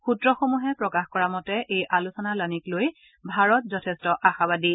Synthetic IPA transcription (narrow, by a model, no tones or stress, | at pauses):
xutɹɔxomuɦɛpɹɔkaxkɔɹamɔtɛʔejʔalusɔnalanikloj | bʱaɹɔt̚zɔtʰɛstɔʔaxabadi